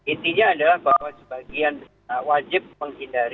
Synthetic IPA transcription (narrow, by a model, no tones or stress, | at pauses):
it̪iɲaːdalahbawasəbaɡian | wad͡ʒɪp̚məŋɦindaɾi